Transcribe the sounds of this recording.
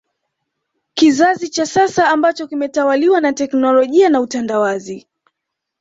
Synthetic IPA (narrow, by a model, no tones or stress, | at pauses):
kizazit͡ʃasasaːmbat͡ʃɔkimɛtawaliwanatɛknɔlɔʄianautandawazi